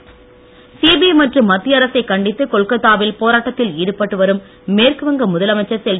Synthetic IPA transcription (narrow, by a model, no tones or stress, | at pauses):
siːbiɐmɐʈrɯmːɐt̪ːɪjɐɾɐsɐɪkːɐɳɖɪt̪ːɯkɔɭkɐt̪ːaːʋɪlpoːɾaːʈːɐt̪ːɪliːɽɯpːɐʈːɯʋɐɾɯmː | eːɾkɯʋɐŋɡɐmʊðɐlɐmɐt͡ʃːɐɾsɛl